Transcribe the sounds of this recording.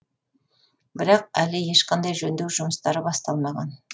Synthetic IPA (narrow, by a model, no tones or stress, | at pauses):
bɪɾɑq̚ælɪje̞ʃqɑnd̪ɑjʒɵnd̪ewʒʊməst̪ɑɾəbɑst̪ɑlˠmɑʁɑn